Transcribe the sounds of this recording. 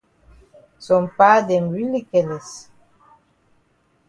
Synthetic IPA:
sɔ̃˨mpa˦dɛ˨mɹi˦li˦kɛ˨lɛ˨s

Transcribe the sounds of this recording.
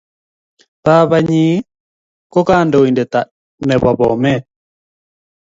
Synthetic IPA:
ta˦βa˨ɲi˨˦ | kɔ˦ka˦ndɔ˨i˨ndɛ˨ta˨ | nɛ˨βa˨bɔ̰˨mɛ˦

